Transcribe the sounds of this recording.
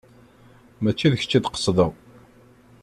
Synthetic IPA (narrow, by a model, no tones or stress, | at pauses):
mæt͡ʃːiðəçə̥t͡ʃːid̪qə̥sˤðəʁ